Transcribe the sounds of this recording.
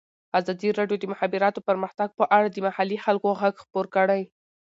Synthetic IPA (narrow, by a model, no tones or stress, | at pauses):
azɑd̪iɾɑɖjod̪əmʊxabɪɾɑt̪opəɾməxt̪aɡ̚pəʔaɽad̪əmahalixalkoɣaɡxpoɾkəɽaj